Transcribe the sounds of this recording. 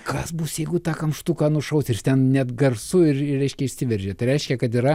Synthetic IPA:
kɐsbuːsjɛɪɡʊt̪ɑːkɐmʃt̪uːkɑnʊʃɐʊt͡ssʲɪrt̪ʲɛnnʲɛt̪ɡɐrsʊɪrɪrɛɪʃʲkʲɛɪʃʲsʲɪʋʲɛɾʲʒʲɛːt̪ɐɪɾʲɛɪʃʲkʲɛkɐt̪ɪɾɐ

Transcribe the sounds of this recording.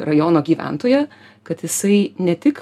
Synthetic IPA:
rɐjoːnoːɡʲiːʋʲæ̰nt̪oːjɛ | kɐt̪jɪsɐɪnʲɛt̪ʲɪk

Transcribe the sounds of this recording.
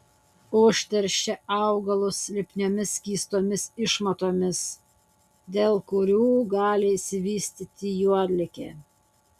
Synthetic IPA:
ʊʃʲt̪ʲɛɾʲʃʲt͡ʃʲɛʔɐʊɡɐlˠʊslʲɪpʲnʲoːmʲɪskʲiːst̪oːmʲɪsɪʃmot̪oːmʲɪs | d̪ʲeːlˠkʊɾʲuːɡɑːlʲɪɪsʲɪʋʲiːsʲt̪ʲiːt̪ʲɪjuɔɾʲlʲɪkʲeː

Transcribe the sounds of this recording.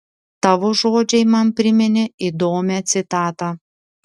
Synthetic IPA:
t̪ɑːʋoːʒoːd͡ʒʲɛɪmɐnpʲɾʲɪmʲɪnʲɪid̪oːmʲɛt̪sʲɪt̪ɑːt̪ɑː

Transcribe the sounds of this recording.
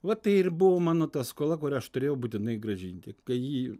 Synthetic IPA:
ʋɐt̪ɐɪɪrbʊʋoːmɑːnoːt̪ɐskoːlˠɐkʊɾʲɛɐʃt̪ʊɾʲeːjɛʊbuːt̪ʲɪnɐɪɡrɐʒʲinʲt̪ʲɪkɐɪjiː

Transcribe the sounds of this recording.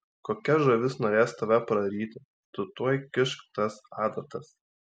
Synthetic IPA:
koːkʲɛsʒɐʋʲɪsnoːɾʲeːst̪ɐʋʲɛpɾɐɐɾʲiːt̪ʲɪ | t̪ʊt̪uɔjkʲɪʃkt̪ɐsɑːd̪ɐɾt̪ɐs

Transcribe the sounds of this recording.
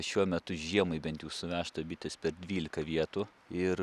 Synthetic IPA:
ʃʲuɔmʲɛt̪ʊʒʲiɛmɐɪbʲɛnt̪juːsʊʋʲæːʃt̪ɐbʲɪt̪ʲɛspʲɛɾd̪ʲʋʲiːlʲɪkɐʋʲiɛt̪uː | ɪr

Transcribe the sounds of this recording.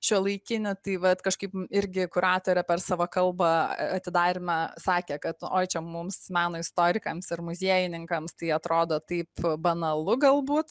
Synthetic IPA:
ʃʲuɔlˠɐɪkʲɪnʲʊt̪ɐɪʋɐtkɐʃkɐɪpɪɾʲɡʲɪkʊɾɑːt̪oːɾʲɛpʲɛrsɑːʋoːkɐlˠbɐɐt̪ʲɪd̪ɑːɾʲɪmʲɛsɑːkʲɛkɐt̪o̰ːjt͡ʃʲɛmʊmsmʲæːnoːɪst̪oːɾʲɪkɐmsɪrmʊzʲiɛjɪnʲɪŋkɐmst̪ɐɪɐt̪ɾoːd̪oːt̪ɐɪpbɐnɐlˠʊɡɐlˠbuːt̪

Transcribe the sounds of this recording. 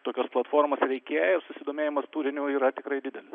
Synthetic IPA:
t̪oːkʲoːsplˠɐt̪foːɾmoːsɾʲɛɪkʲeːjoɪrsʊsʲɪd̪oːmʲeːjɪmɐst̪uːɾʲɪnʲuːiːɾɐt̪ʲɪkɾɐɪd̪ʲɪd̪ʲɛlʲɪs

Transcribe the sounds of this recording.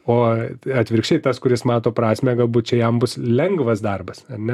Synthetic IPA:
oːɐt̪ʲʋʲɪɾrkʃʲt͡ʃʲɛɪt̪ɐskʊɾʲɪsmɑːt̪oːpɾɑːsʲmʲeːɡɐlˠbuːt̪̚t͡ʃʲɛjɛmbʊslʲɛŋɡʋɐsd̪ɐrbɐsɐrnʲɛ

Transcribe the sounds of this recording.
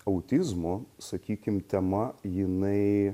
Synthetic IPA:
ɐʊt̪ʲɪzmoːsɐkʲiːkʲɪmt̪ʲɛmɐjɪnɐɪ

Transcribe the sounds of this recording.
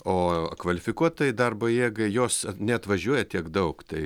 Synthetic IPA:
oːkʋɐlʲɪfʲɪkuɔt̪oːjɪd̪ɐrboːjeːɡɐɪjoːsɐnʲɛɐt̪ʋɐʒʲuɔjɛt̪ʲiɛkd̪ɐʊkt̪ɐɪ

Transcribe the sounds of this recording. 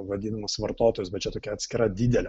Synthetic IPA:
ʋɐd̪ʲiːnɐmɐsʋɐɾt̪oːt̪oːjʊsbʲɛt̪t͡ʃʲɛt̪oːkʲɛɐt̪ʲsʲkʲɪɾɐd̪ʲiːd̪ʲɛlʲɛ

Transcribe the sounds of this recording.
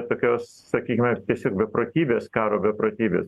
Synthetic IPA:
t̪oːkʲoːs | sɐkʲiːkʲɪmʲɛt̪ʲiɛsʲoːk̚bʲɛpɾoːt̪ʲiːbʲeːskɑːɾoːbʲɛpɾoːt̪ʲiːbʲḛːs

